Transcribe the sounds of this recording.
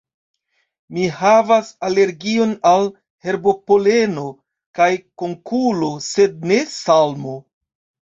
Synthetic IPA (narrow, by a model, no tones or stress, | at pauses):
mihavasale̞ɾɡio̞nal | he̞ɾbo̞po̞le̞no̞ | kajko̞ŋkulo̞se̞d̚ne̞salmo̞